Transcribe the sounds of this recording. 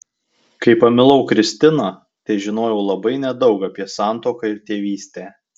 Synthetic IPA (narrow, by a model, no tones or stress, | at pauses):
kɐɪpɐmʲɪlˠɒʊkɾʲɪsʲt̪ʲɪnɑː | t̪ɐɪʒʲɪnoːjɛʊlˠɐbɐɪnʲɛd̪ɒʊkɐpʲiɛsɑˑnˑt̪oːkɐɪɾt̪ʲeːʋʲiːsʲt̪ʲeː